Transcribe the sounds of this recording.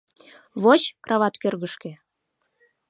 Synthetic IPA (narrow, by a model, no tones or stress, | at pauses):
βot͡ɕkrɑβɑt̪kørɣəʃkĕ